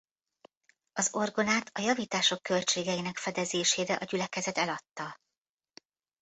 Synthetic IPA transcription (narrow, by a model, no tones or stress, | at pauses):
ɒzo̞rɡo̞naːt̪ʰɒjɒviːt̪aːʃo̞kːø̞lt͡ʃeːɡɛjinɛkfɛd̪ɛzeːʃeːɾɛʔɒɟylɛkɛzɛt̪ɛlɒt̪ːɒ